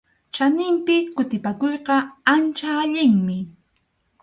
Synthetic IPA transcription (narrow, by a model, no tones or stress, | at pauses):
t͡ʃanɪmpɪkʊt̪ɪpakojqɑant͡ʃaːʎɪŋmɪ